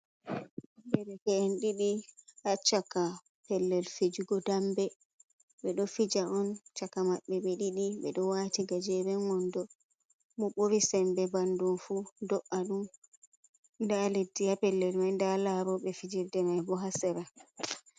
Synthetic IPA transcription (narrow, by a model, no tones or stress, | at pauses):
ʔambɛɾɛkɛɛnɗiɗihat͡ʃaka | pɛlːɛlfed͡ʒuɡɔdambɛ | ɓɛɗɔfid͡ʒaɔnt͡ʃakamaɓːɛɓɛɗiɗiɓɛɗɔwatiɡad͡ʒɛɾɛnɔndɔ | mɔɓoɾisɛmbɛbandunfudɔʔaɗum | ndaledːiapɛlːɛlmajndalaɾɔɓɛfid͡ʒiɾdɛmajbɔɦasɛɾa